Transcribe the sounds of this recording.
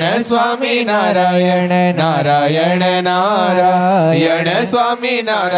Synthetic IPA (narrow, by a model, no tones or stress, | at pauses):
esʋaminaɾajɛnaɾajɛɳenaɾajɛɳesʋaminaɾ